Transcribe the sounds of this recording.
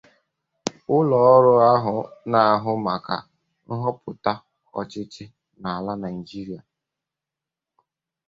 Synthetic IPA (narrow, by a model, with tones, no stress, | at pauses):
ʊ˦lɔ˨ɔ˦ɾʊ˦a˦ɦʊ˨na˨a˨ɦʊ˦ma˨ka̰˨ | n̩˦ɦɔ˦pʊ˨ta˦ | ɔ˨t͡ʃɪ˦t͡ʃɪ˦ | na˨a˨la˦na˨i˨d͡ʒi˦ɾi˨a˨